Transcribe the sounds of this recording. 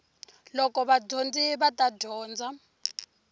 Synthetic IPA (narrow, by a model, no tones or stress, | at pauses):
lɔkɔβadond͡ziβatadʱɔːnd͡za